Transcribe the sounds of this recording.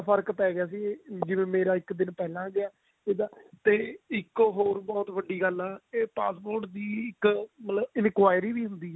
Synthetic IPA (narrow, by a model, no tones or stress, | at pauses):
pʰəɾkpɛːɡɪjaːs̬iːed͡ʒɪʋẽːmeːɾaːɪkd̪ɪnpɛːlãːɡɪaː | eːd̪aːt̪eːɪkɦoːɾbɔːt̪ʋəɖːiːɡəlɛːeːpa̰ːspoːɾʈd̪iːɪkmət̪ləbɪnkwaːjɾiːʋiːɦʊ̃nd̪iːɛː